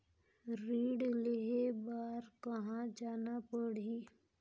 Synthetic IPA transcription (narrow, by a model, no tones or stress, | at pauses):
ɾiːɖleɦebaːɾkɐɦãd͡ʒaːnapəɽ̤i